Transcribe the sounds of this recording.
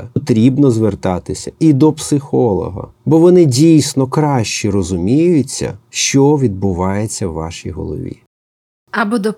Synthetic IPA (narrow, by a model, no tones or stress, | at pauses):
t̪ɾʲibnɔzʋert̪ɑt̪ɪsʲɐid̪ɔpsɪxɔlˠɔ̰ɦɐ̰bɔʋɔnɪdʲijsʲnɔkɾɑʃt͡ʃirɔzʊmʲijʊt͡sʲːɐ̰ʃt͡ʃɔʋʲid̪̚bʊʋɑjet͡sʲːɐwːɑ̰ʃijɦɔ̰lˠɔ̰ʋʲḭ | ɐbɔd̪ɔ